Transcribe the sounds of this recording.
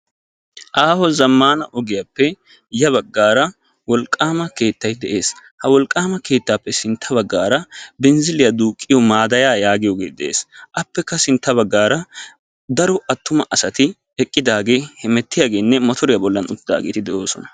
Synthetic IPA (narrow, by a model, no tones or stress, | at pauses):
ʔaːhɔzɐmːaːnɐʔɔɡɪjapːɛ | jɐβɐɡːaːɾɐ | wɔlkʼːaːmɐke̞ːt̪ːɐjd̪ɛʔe̞ːshɐwɔlkʼːaːmɐke̞ːt̪ːaːpːɛsɪnt̪ʰːɐbɐɡːaːɾɐbɛnzɪlɪjɐd̪uːkʼːɪjɔmaːd̪ɐjaːjaːɡɪjɔɡeːt̪d̪ɛʔḛːsʔɐpːɛkːɐsɪnt̪ːɐβɐɡːaːɾɐ | d̪ɐɾɔʔɐt̪ːʊmɐʔɐsɐt̪ɪ | ɛkʼːɪd̪aːɡe̞ːhɛmɛt̪ːɪjaːɡe̞ːnːɛmɔt̪ʰɔɾɪjabɔlːɐnʊt̪ːɪd̪a̰ːɡeːt̪ɪd̪ɛʔo̞ːsɔnɐ̥